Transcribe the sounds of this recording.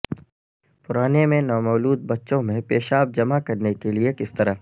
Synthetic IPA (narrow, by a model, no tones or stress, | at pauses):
pʊɾaːnemẽnɔːmɔːluːd̪̚bɐtːʃõmẽpeːʃaːb̚d͡ʒɐmakɐɾnekeliekɪst̪ɐɾa